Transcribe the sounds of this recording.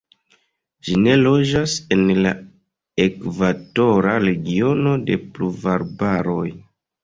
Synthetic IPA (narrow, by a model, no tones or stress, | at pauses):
d͡ʒine̞lo̞d͡ʒase̞nla̰ | e̞kvato̞ɾaɾe̞ɡio̞no̞de̞pluvaɾbaɾo̞j